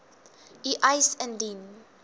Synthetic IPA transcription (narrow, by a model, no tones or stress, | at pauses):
iʔajsɛ̃ndĩn